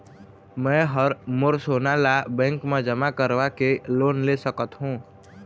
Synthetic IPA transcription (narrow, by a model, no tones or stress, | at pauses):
mɛ̃ːɦəɾmʊɾsoːnalabɛ̃ːŋkmẽd͡ʒəmakəɾʋakeloːnlesəkət̪ɦũː